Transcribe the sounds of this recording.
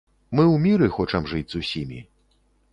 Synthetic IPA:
mɨwmʲiɾɨxɔt͡ʂɐmʐɨd͡zʲzusʲimʲḭ

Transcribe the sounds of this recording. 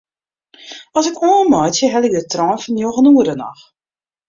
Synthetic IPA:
ɔsɪkoːnmɔjtjəɦɛlɪk̚dətrɔːnfɔnjoxənuəɾənɔ̰x

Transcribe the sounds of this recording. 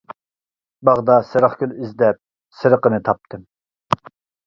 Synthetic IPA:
bɑʁd̪ɑsɨɾəχkʲylyzd̪ɛp̚ | sɨɾəqənɨt̪ʰɑp̚t̪ʰɨm

